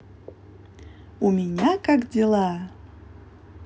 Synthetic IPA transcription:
umʲɪnʲakakd͡zʲɪlˠa

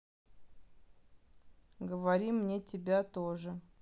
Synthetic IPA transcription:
ɡəvɐɾʲimnʲetʲɪbʲat̪oʐɨ

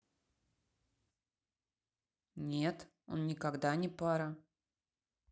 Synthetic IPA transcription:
nʲet̪ | o̞̰nnʲɪkaɡd̪anʲɪpaɾə

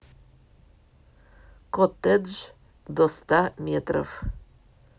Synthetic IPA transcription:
kɔt̪ɛd͡ʒ | d̪ɔst̪amjɛt̪ɾə̰f

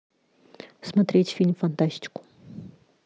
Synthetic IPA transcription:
smɐt̪ɾʲetʲfʲilʲmfɐnt̪asʲtʲɪ̥kʊ̥

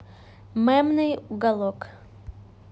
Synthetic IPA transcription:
mɛmnɨjuɡɐlˠɔk

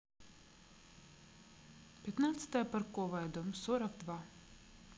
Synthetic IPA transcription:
pʲɛt̪naːt̪sɨ̥t̪ajapaɾkɔɔvajd̪ɔmsɔɾak̚d̪va

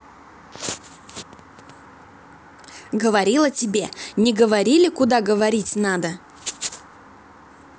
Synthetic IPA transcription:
ɡəvɐɾʲilˠətʲɪbʲe̞nʲɪɡəvɐɾʲilʲɪkʊd̪aɡəvɐɾʲitʲnad̪ə

